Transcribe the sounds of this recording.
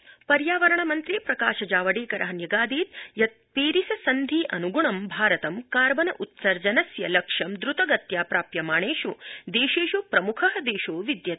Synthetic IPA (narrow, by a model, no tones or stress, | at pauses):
pɐɾjaːʋɐɾɐɳɐmɐnt̪ɾiːpɾɐkaːʃɐd͡ʒaːʋɐɽeːkɐɾʔɐɦɐnjɐɡaːd̪iːt̪jɐt̪̚peːɾisɐsɐnd̪ʱiːʔɐnuɡuɳɐmbʱaːɾɐt̪ɐmkaːɾʋɐnɐʔut̪sɐɾd͡ʒɐnɐsjɐlɐkʂɐmd̪ɾut̪ɐɡɐt̪jaːpɾaːpjɐmaːɳeːʃud̪eːʃeːʃupɾɐmukʰɐɦɐ̆d̪eːʃoːʋid̪jɐt̪